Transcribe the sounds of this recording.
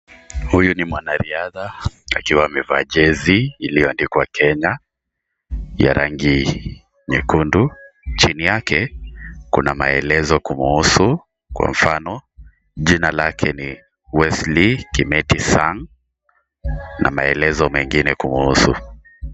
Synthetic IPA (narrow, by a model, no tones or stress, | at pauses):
hujunimwanaɾiaðaakiwamɛvaʄɛziːlijɔndikwakʰɛɲa | ja̰ɾʔaŋɡi | ɲɛkundut͡ʃinijakɛkṵnamaɛlɛzɔkumuusu | kwa̰ɱ̩fanɔ | ʄinalakʰɛni | wɛslikimɛtisaŋ | na̰maɛlɛzɔmɛŋɡinɛkumuusṵ